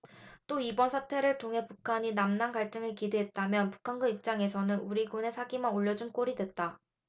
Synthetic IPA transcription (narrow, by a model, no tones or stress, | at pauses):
t͈oibʌnsʰatʰe̞ɾɯɭtʰoŋɦe̞pukʰaɲinamnanɡaɭt͡ɕ͈ɯŋɯɭkide̞ɦet̚t͈amjʌnpu̥kʰanɡɯip̚t͡ɕ͈aŋe̞sʰʌnɯnuɾiɡone̞sʰaɡimanoʎːʌd͡ʑunk͈oɾidwe̞t̚t͈a